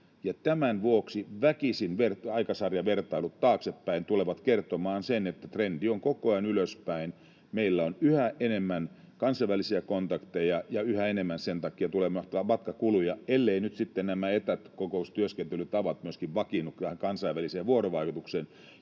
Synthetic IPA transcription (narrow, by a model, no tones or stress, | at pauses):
jɑt̪æmænʋuoksiʋækisinʋerɑikɑsɑrjɑʋert̪ɑilut̪t̪ɑːksepːæint̪uleʋɑt̪kert̪omɑːnsenet̪ːæt̪rendioŋkokoɑinyløspæin | meilːæonyhæʔenemːæn | kɑnsɑiʋælisiækont̪ɑkt̪ejɑjɑyhæenemːænsent̪ɑkːˑiɑt̪ulemɑt̪ʋɑmɑt̪kɑkulujɑelːeinyt̪sit̪ːennæmæet̪æt̪kokoust̪yøskent̪ylyt̪ɑʋɑt̪myøskiʋʋɑkinːukt̪ææŋkɑnsɑiʋæliseːʋuoroʋɑikut̪uksen